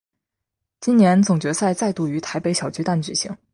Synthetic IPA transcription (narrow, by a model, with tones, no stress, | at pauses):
t͡ɕi˥njɛ˧˥nt͡sʊ˨˩ŋt͡ɕɥɛ˧˥sa˥˧ɪt͡sa˥˧ɪt̪u˥˩y˧˥t̪ʰa˧˥ɪpe˧˥ɪɕjɑ˨˩ʊt͡ɕy˥t̪a˥˩nt͡ɕy˨˩ɕḭ˧˥ŋ